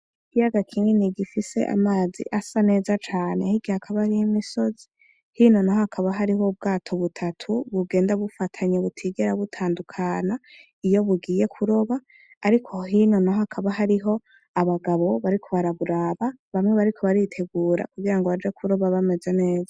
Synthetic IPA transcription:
ikijaɡakʰiːŋeniɡifise̞̰ʔa̰maːzḭʔasane̞ːzat͡ʃaːne̞hiɡihakʰaβaɾihimiso̞zi̥ | hiːno̞naɦohakʰaβaɦaɾiɦo̞bɡaːtʰo̞βutʰatʰuβuɡe̞ːndaβufatʰaɲeβutʰiɡeɾaβutʰaːndukʰaːna | ijo̞βuɡiːje̞kʰuɾo̞βaː | ɾikʰo̞ɦino̞naɦakʰaβaɦaɾiɦo̞ | aβaɡaβo̞βaɾikʰo̞βaɾaβuɾaːβaβamŋe̞βaɾikʰo̞βaɾitʰe̞ɡuːɾa̰kuɡiɾaŋɡoβad͡ʒekʰuɾo̞βaβame̞ze̞ne̞ːza

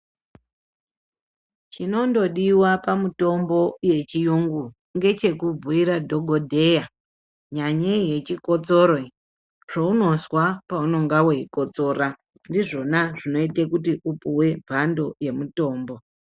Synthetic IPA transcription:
t͡ʃino̞ndo̞ɗiwapamuto̞mbo̞je̞t͡ʃijuŋɡu | ŋɡe̞t͡ʃe̞kub͡vʱuiɾadʱo̞ɡʱodʱe̞ja | ɲaɲeje̞t͡ʃiko̞t͡soɾoi | ʐ̥ouno̞zwapauno̞ŋɡaweiko̞t͡so̞ːɾa | ndiʐo̞naʐino̞itekutiʔupuwe̞bʱando̞je̞muto̞ːmbo̞

